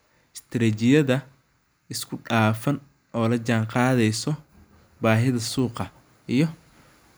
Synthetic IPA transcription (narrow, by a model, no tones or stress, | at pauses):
ɪst̪ʰɾɛːt͡ʃɪjɐðɐ | ɪskʰʊɖaːfɐn | ʔɔːlɐt͡ʃaːɴqɑːðɛjsɔ | baːɦɪðɐsuːqɑ | ʔijɞ